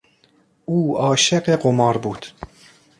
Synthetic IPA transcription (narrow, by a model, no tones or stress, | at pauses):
ʔuːɒːʃeɢeɢomɒːɾbuːd̪̥